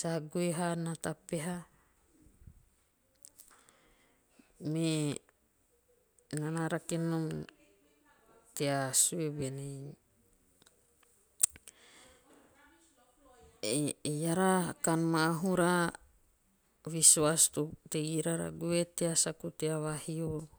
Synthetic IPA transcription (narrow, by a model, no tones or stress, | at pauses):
saɡueɦanat̪apeɦa | me | nanaɾakinum | t̪easuebene | jaɾakanmaɦuɾa | βisuast̪ut̪eɡiɾaɾa̰ɡuet̪easakut̪eawahio